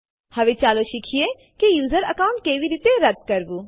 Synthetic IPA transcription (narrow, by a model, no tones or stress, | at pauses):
hɐʋet͡ʃaːloʃikʰie | kejuːzəɾɐkaːʊ̃ɳʈ̚keʋiɾiːt̪eɾɐd̪̚kɐɾbu